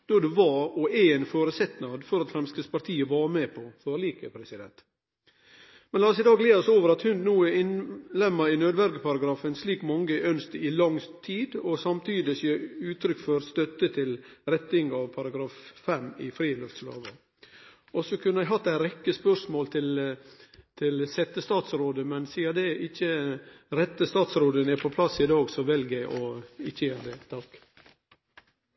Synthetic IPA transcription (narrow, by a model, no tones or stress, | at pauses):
d̪̥od̪ʉʋɑɾɔɛɛɪnfoːɾəsɛt̪nɑd̪fɔɾɑt̪fɾɛnskəspɑɾt̪ʰiːəʋɑːɾmeːpʰɔføːɾliːkəpʰɾɛsɪd̪ɛ̰nt̪ | mɛnlɑːsɪd̪ɑːɡleːɾɔsoːʋəɾɑt̪hʉnnuːəɪnlɛmːəɾɪnøːd̪ʋɛnɪɡəpʰɑɾɑɡɾɑːfənsliːkmɑŋːəʔœnst̪əɪlɑŋt̪ʰiːd̪ɔsɑmt̪ʰyːd̪ɪsjeːʉːt̪ʰɾʏkfɔɾst̪œt̪ːət̪ʰɪlɾɛt̪ːɪŋɑʋpʰɑɾɑɡɾɑːffɛmɪfɾiːlœft̪slɑ̰ːʋə | ʔɔsɔkʰʉnːəæɪɦɑt̪ːæɪɾɛkːəspœʂmoːlt̪ʰɪl | t̪ʰɪlsɛt̪ːəst̪ɑːt̪sɾoːd̪əmɛnsiːəd̪ɛʔɪçːəɾɛt̪ːəst̪ɑːt̪sɾoːd̪ənæɾpʰɔpʰlɑsɪd̪ɑːɡsɔʋɛlɡæɪʔɔɪçːəjæd̪ɛt̪ʰɑːk